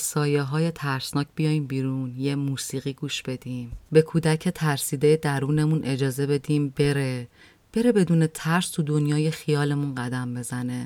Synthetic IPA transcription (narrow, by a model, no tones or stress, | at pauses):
sɒːjeɦɒːje̞t̪ʰæɾsnɒːcʰb̥ijɒːjiːmbiːɾunjemuːsiːɣiːɡuːʃb̥e̞d̪̥iːmbe̞kʰuːd̪æcʰe̞t̪ʰæɾsiːd̪ejed̪æɾuːne̞munʔe̞d͡ʒɒːze̞be̞d̪iːmbe̞ɾe̞ | b̥e̞ɾe̞be̞d̪uːne̞t̪ʰæɾst̪ʰud̪o̞njɒːjexijɒːle̞munɢæd̪æmbe̞zæne̞